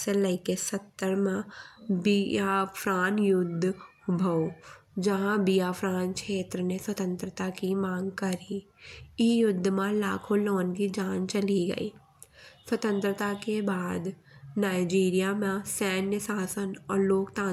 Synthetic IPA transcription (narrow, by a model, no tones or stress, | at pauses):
selɐɪkesɐt̪ːəɾmãbiapʰɾaːnjʊd̪ʱː | bʱɐod͡ʒɐɦãbijaːpɾaːnkʃeːt̪ɾəneswɐt̪ə̃nt̪ɾət̪akimãːŋɡkɐɾi | ɪjʊd̪ʱːmãlaːkʰõloːnkid͡ʒaːnt͡ʃɐliɡɐ̰ḭː | swɐt̪ə̃nt̪ɾət̪akebaːd̪naːɪd͡ʒiːɾijamãsɛːnjəsaːsənɔːɾloːkt̪ãː